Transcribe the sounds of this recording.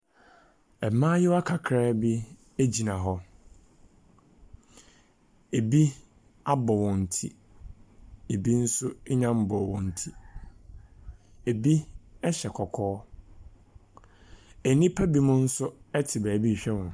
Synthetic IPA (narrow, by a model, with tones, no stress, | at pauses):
ɛ˨mãː˦jɪ˦wa˦kʰa˨kʰɾɛː˦bi˦ | e˦d͡ʑi˨nã˨ɦɔ˦ | e˨bi˦ | a˦bɔ˨wɔ̃˨n̩˨tʰḭ˦ | e˨bi˦n̩˦sʊ˦ɲã˦m̩˦bɔ˨wɔ̃˨n̩˨tʰi˦ | e˨bi˦ɛ˦ɕɛ˨kʰɔ˨kʰɔː˦ | æ˨nĩ˦pʰa˦bi˦mʊ̃˦n̩˦sʊ˦ɛ˦tʰɪ˨bæː˨bi˦˨ɕᶣɛ˦wɔ̃˨n˨